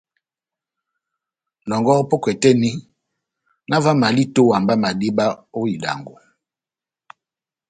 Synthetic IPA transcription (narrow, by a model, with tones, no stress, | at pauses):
nɔ˨ŋɡɔ˦po˦kwɛ˨tɛ˦ni˦ | na˦va˦ma˨li˦to˦wa˨mba˦ma˨di˦ba˦o˦i˨da̰˨ŋɡo˨